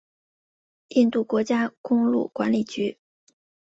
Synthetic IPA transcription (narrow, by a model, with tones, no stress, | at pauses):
i˥˧nt̪u˥˩kwɔ˧˥t͡ɕja˥kʊ˥ŋlṵ˥˩kwa˧˥nli˨˩t͡ɕy˧˥